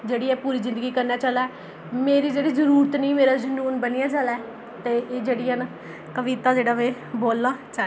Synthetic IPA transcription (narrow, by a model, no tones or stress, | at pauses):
d͡ʒeːɽiːɛːpuːɾiːzɪ̃nd̪əɡiːkəɾnaːt͡ʃəlaɛː | meːɾiːd͡ʒeːɽiːzəɾuːɾət̪nĩːmeːɾaːd͡ʒənuːnbəniːãːt͡ʃalaɛ | t̪eːeːd͡ʒeːɽiːɛːna | kəʋiːt̪aːd͡ʒeːɽaːʋeː | boːlnaːt͡ʃaː